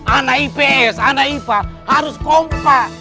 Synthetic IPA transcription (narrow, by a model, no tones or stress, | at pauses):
anaipeɛsanaipahaɾuskompa